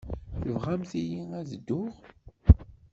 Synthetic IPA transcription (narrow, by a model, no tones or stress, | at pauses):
θəvʁæmθijiæzəd̪ːʊʁ